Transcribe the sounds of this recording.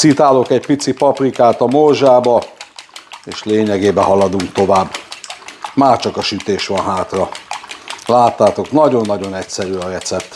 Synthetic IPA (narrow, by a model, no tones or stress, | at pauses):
sit̪aːlo̞kɛcpit̪sipɒprikaːt̪ɒmorʒaːbɒ | eːʃleːɲɛɡeːbɛɦɒlɒd̪uŋkt̪o̞vaːbː | maːrt͡ʃɒkɒʃyt̪eːʃʋɒnɦaːt̪rɒ | laːt̪ːaːt̪o̞knɒɟo̞nːɒɟo̞nɛcsɛɾyːɒɾɛt̪sɛpt̪